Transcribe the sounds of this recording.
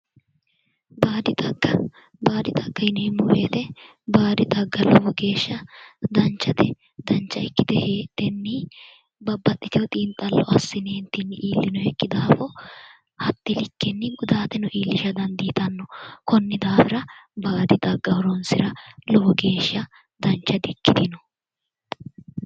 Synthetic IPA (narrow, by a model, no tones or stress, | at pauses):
baːd̪ɪt̪ɐɡɐ | baːd̪ɪt̪ʼɐɡːɐɪneːmɔɾḛːt̪ɛ | baːd̪ɪt̪ɐɡːɐlɔbɔɡe̞ːʃːɐd̪ɐnt͡ʃːɐt̪ɛ | d̪ɐnt͡ʃːɐɪkːɪd̪ɛheːd̪̥ɛnːi | bɐbːɐt̪ːɪt̪ɪjɔt̪ʼiːnt̪ʼːɐlːɔ̰ʔɐsːɪneːnt̪iːnːɪʔiːlːɪnɔhɛkʼːɪd̪aːfɔ | hɐt̪ːɪlɪkːɛnːɪɡʊd̪aːt̪ɛnɔʔiːlːɪʃɐd̪ɐnd̪ɪːt̪ɐnːɔkɔnːɪd̪aːfɪɾɐbaːd̪ɪd̪ɐɡːɐwɔɾɔnsɪɾɐlɔwɔɡe̞ːʃːɐ | d̪ɐnt͡ʃːɐd̪ɪkːɪd̪ɪnɔ